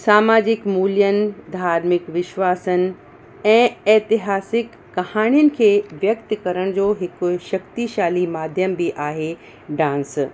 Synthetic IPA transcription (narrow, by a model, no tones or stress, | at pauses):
saːmaːd͡ʑɪkmuːljənɪ̆d̪ʱaːɾmɪkʋɪʃʋaːsənɪ̆ | ɛ̃ːɛːt̪ɪɦaːsɪkːɐhaːɽ̃ijənɪ̆kʰeːʋjɐkt̪kɐɾəɽ̃d͡ʑoːɦɪkʊʃɐkt̪iʃaːlimaːd̪ʱjəmbiʔaːɦe | ɖãːns